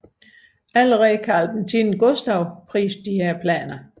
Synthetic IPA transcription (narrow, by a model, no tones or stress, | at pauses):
ælʁɛkʰæælb̥ent͡sʰin̩ɡ̥ɔsd̥ɑʊpʰʁḭːsd̥ihæɐ̰pʰlɛ̰ːnɐ